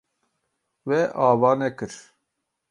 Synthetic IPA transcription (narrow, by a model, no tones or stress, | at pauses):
wɛʔaːvaːnɛkɨɾ